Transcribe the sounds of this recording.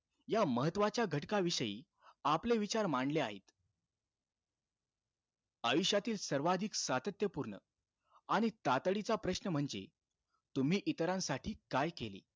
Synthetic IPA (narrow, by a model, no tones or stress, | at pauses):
jaməɦət̪ʋat͡ɕjaɡʱəʈkaʋiɕəjḭː | apleʋit͡ɕaɾmaɳɖleaɦḛt̪ | əʋiɕjat̪iːlsəɾʋad̪ʱiksat̪ət̪jəpuɾɳə̰ | aɽ̃it̪at̪ɽit͡sapɾəɕnəm̤əɳd͡zḛ | t̪um̤iːʔit̪əɾãnsaʈʰiːkajkelḭː